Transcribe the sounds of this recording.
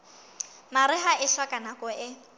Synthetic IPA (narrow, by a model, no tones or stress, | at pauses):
maɾɪɦaʔɪɬwakʼanakʼɔɪ